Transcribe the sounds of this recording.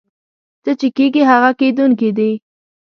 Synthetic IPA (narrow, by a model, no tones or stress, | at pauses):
t̪ət͡ʃekeɡiɦaɣaked̪unkid̪i